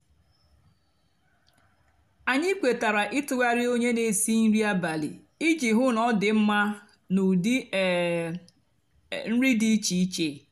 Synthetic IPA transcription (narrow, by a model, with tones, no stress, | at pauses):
a˨ɲɪ˦kʷe˨ta˨ɾa˨ʔi˦tʊ˦˨ɡa˦ɾɪ˦o˦ɲe˦ne˨si˦n̩˦ɾi˦a˦ba˨lḭ˨ | i˦d͡ʒi˨ɦʊ˦nɔ˦dɪ˨m̩˦ma˦ | nʊ˨di˦˨ | n̩˦ɾi˦di˦t͡ʃi˨i˦t͡ʃe˦˨